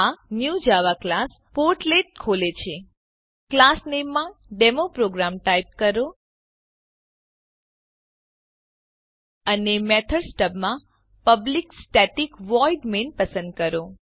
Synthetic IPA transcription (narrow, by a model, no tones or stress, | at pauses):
anjũd͡ʒaʋaklas | poɾʈleʈ̚kʰolet͡ʃʰe | klasnemːãɖemopɾoɡɾamʈajp̚kəɾo | ənemɛt̪ʰəɾsʈəbmã | pəbliksʈɛʈikʋɔiɖmenpəsə̃nd̪̚kəɾo